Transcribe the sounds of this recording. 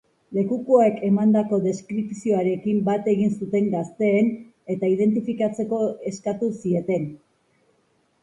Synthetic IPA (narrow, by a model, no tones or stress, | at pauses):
le̞kukoekʰe̞mand̪ako̞ðe̞skɾipsio̞aɾe̞kimbat̪e̞ɣinsut̪e̞ŋɡast̪e̞ːn | e̞t̪aið̞e̞nt̪̬ifikat͡se̞ko̞e̞skat̪usie̞t̪e̞n